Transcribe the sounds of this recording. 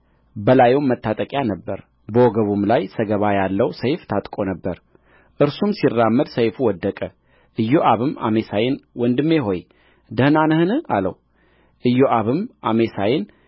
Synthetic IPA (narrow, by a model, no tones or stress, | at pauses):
bəlajowmːət̪ʰːat̪ʼəkʼjanəbːəɾ | bəwɔɡəβumlajsəɡəβajalːəwsəjft̪ʰat̪ʼkʼonəbːəɾ | ʔɨɾsumsirːamːəd̪səjfuwɔd̪ːəkʼə | ʔɨjːoʔaβɨma̰mesajɪnwɔnd̪ɨmːeɦo̞j | d̪əhnanhɨnɨalə̰w | ʔɨjːoʔaβɨmʔame̞sajɪn